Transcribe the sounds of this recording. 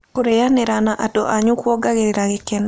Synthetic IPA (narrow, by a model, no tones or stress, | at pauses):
koɾejanɛɾanaʔadɔʔaɲukwɔɡaɡeɾeɾaɡɪkɛn